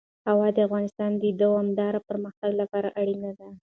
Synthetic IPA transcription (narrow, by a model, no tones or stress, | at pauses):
hawɑd̪əafɣɑnɪst̪ɑnd̪əid̪əamd̪ɑɾapəɾməxt̪aɡlapɑɾaʔaɽinad̪a